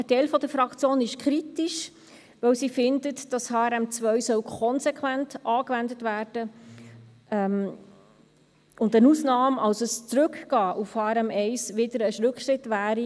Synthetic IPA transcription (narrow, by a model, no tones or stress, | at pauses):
ətɛɪlfɔdəɾfɾɑkt͡sjoːnɪʃkʰɾitɪʃ | ʋœwsifɪndətd̥ɑshɑːɾɛmt͡sʋœɥsœwkʰɔnsɛkʰwæntʔɑːkʋændətʋæːɾd̥ə | ɛm | ʊndənuːsnɑːmɑlsəst͡sɾɵkɡ̥ɑːʔufhɑːɾɛmɛɪsʋɪdəɾəʃɾʉkʃɾɪtʋæːɾi